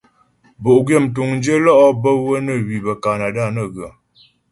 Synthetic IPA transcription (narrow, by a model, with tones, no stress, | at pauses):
bo˨ʔɡɥe˦˨m˨t̬u˨ŋn˦d͡ʒə˦lɔ˦ʔɔ˦bə˦wə˦nə˦˨wi˨bə˨ka˨na˨da˦˨nə˦˨ɣə˨